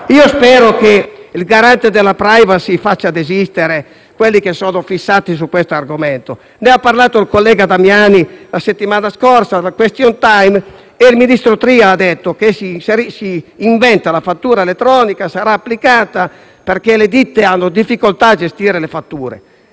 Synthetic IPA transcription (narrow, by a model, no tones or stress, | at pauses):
iːospɛːɾokeilɡaɾant̪ed̪elːapɾajvasifat͡ʃːad̪ezist̪eɾe | kwelːikesɔːnofisːaːt̪is̬ukwest̪oarɡomɛnt̪o | neapːarlaːt̪oilkolːɛːɡad̪amjanilaset̪ːimaːnaskɔrsalakwest̪jɔnt̪ajm | elminist̪ɾot̪ɾiaad̪et̪ːokesiseɾisiːɱvɛnt̪alafat̪ːuːɾaelet̪ːɾɔːnikasaɾaːpːlikaːt̪a | perkeled̪it̪ːeanːod̪ifːikolt̪aːd͡ʒest̪iːɾelefat̪ːuːɾḛ